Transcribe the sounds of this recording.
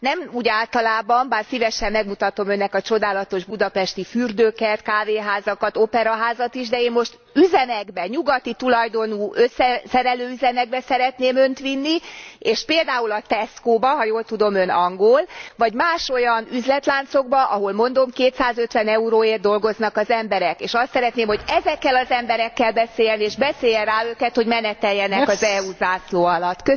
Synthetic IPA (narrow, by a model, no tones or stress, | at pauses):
nɛmuːɟaːlt̪ɒlaːbɒmbaːrsivɛʃɛmːɛɡmut̪ɒt̪o̞mø̞nːɛkɒt͡ʃo̞d̪aːlɒt̪o̞ʒbud̪ɒpɛʃt̪ifyrd̪øːkɛlt̪kaːveːɦaːzɒkɒt̪opɛɾɒɦaːzɒt̪iʒd̪ɛeːnmo̞ʃt̪ | yzɛmɛɡbɛɲuɡɒt̪it̪ulɒjd̪o̞nuːʔøsːɛsɛɾɛløːyzɛmɛɡ̚bɛsɛɾɛt̪neːmø̞nt̪ʋinːieːʃpeːld̪aːulɒt̪ɛskoːbɒɦɒjoːlt̪ud̪o̞mønɒŋɡolvɒɟmaːʃo̞jɒnyzlɛt̪laːnt̪so̞ɡbɒʔɒɦo̞lmo̞n̪d̪o̞mkeːt̪saːzø̞t̪ʋɛnɛuɾoːeːrd̪o̞lɡo̞znɒkɒzɛmbɛɾɛkeːʃɒst̪sɛɾɛt̪neːmho̞ɟɛzɛkːɛlɒzɛmbɛɾɛkːɛlbɛseːjɛneːʒbɛseːjɛraːøːkɛt̪ho̞ɟmɛnɛt̪ɛjːɛnɛkɒzɛuzaːsloːɒlɒt̪ːkø